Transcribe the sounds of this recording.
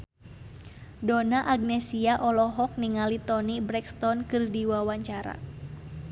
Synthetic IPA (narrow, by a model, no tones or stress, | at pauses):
donaʔaɡ̚nɛsiaʔɔlɔɦɔk̚niŋalit̪ɔnibɾɛkst̪ɔnkɨrdiwawaɲt͡ʃaɾa̰